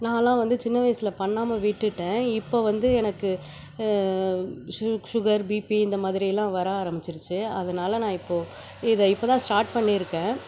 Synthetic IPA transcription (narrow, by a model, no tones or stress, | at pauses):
nãːlãːʋɐnd̪ɯt͡ʃɪnːɐʋɐjsɪlɐpɐɳːaːmɐʋɪʈːɯʈːẽːɪpːoːʋɐnd̪ɯɛnɐkːɯ | ʂʊɣɐɾbipiɪnd̪ɐmaːðɪɾɪjɐlãːʋɐɾaːɾɐmɪt͡ʃːɪɾɯt͡ʃːɯɐðɐnaːlɐnãːɪpːoː | ɪðɐɪpːoːt̪ãːsʈaːɾʈ̚pɐɳːiɪɾɯkːẽː